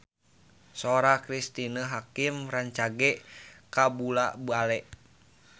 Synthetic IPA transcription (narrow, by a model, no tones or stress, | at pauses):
soɾakɾist̪inəɦakimɾaɲt͡ʃaɡɛkabulabualɛʔ